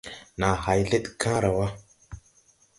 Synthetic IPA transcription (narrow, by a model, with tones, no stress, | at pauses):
naː˨ha˨jɮe˦t̪kʰã˦ɾa˨wa˦